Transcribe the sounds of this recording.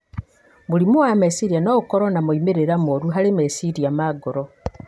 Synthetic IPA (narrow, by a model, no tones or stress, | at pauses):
mulimuwamesiɾijanoːβukoɾonamuimeɾeɾamoɾuɦalemesiɾiamaɡoɾo